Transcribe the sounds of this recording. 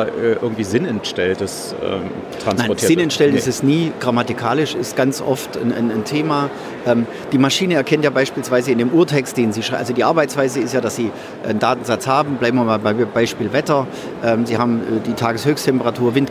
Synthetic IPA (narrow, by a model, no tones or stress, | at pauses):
ɛʔɪɐɡŋ̩tv̥iːzɪnɛntʃtɛltəs | ɛ̰ː | tʁ̥ansnaɪɔtʰiːzɪnɛntʃtɛlənɪɪstɛsniːɡ̥ʁamatɪkʰaːlɪʃɪ̰stɡ̥ant͡sʔɔ̰ftn̰nntʰeːma | ʔɛːm | d̥iːmaʃiːnəɛɐkʰɛntjaːbaɪʃpiːlsv̥aɪzəɪndeːmʔuːɐtʰɛkst̚d̥eːnziːʃʁʔa̰lzodiːʔaɐbaɪt͡sv̥aɪzəɪstjaːdasz̥iː | ʔəndaːtn̩zat͡shaːbm̩blaɪm̩imabaɪbaɪʃpiːlvɛtɐ | ʔɛːmziːhaːbm̩ʔɛːdiːtʰaːɡəshøːçstʰɛmpəʁatʰuːɐvɪnt